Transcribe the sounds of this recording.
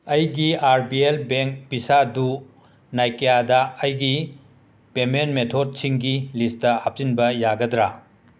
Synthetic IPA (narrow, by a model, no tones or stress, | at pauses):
ɐjɡiaɾbielbeŋk̚bisadu | najkɐjadɐɐjɡi | pementmetʰod̚sʰiŋɡilistɐhap̚sinbɐjaɡɐdɾa